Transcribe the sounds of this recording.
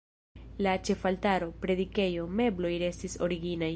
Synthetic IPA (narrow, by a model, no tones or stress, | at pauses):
lat͡ʃe̞faltaɾo̞pɾe̞dike̞jo̞me̞blo̞jɾe̞stiso̞̰ɾiɡinaj